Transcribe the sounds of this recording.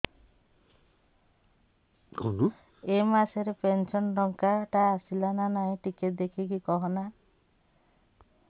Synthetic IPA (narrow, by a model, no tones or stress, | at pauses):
kunu | emaseɾepensɔnɾɔŋkaʈaːsilananaɦĩʈikeʈ̚d̪ekʰikikɔɦɔna